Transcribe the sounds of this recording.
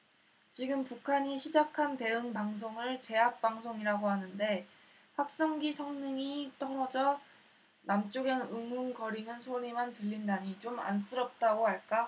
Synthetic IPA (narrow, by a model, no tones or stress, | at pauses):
t͡ɕiɡɯmpukʰaɲiɕʰid͡ʑakʰante̞ɯŋpaŋs̬ʰoŋɯɭt͡ɕe̞ɦak̚p͈aŋsʰoŋiɾaɡoɦanɯnde̞ | ɸwak̚s͈ʌŋɡisʰʌŋnɯŋit͈ʌŋʌd͡ʑʌ | namt͡ɕ͈oɡenɯŋunɡʌɾinɯnsʰoɲimantɯʎːindaɲit͡ɕoma̰ns͈ɯɾʌp̚t͈aɡoɦaɭk͈a